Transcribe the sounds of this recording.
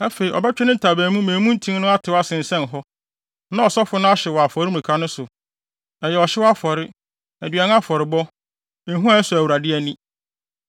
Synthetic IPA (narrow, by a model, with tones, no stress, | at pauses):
a˦fe˨i˨ʔɔ̰˨bɛ˦t͡ɕᶣɛ˦nɪ̃˦n̩˨tʰa˨bæː˨mũ˦mẽː˨mũ˦n̩˦tʰĩ˦n˦nʊ̃˦a˦tʰɪ˨˦wa˦sɪ̃˨n̩˨sɛ̃˦n˨ɦɔ˦ | nã˦ɔ˨sɔ˦fʊ˦nʊ̃˦a˦ɕɛ˨wɔ˨a˨fɔ˨ɾɪ˦m˨ũ˨kʰa˦nʊ̃˦sʊ˨ | ɛ˨jɛ˨ɔ˨ɕɪ˦wɔ˦a˦fɔ˨ɾɪ˦ | ɛ˨dɥɛ˨n˦a˦fɔ˨ɾɪ˨bɔ˦ | e˨˦ɦũ˦a˨˦sʊ˨æ˨wu˨ɾa˨dɪ˦ɛ˨nĩ˦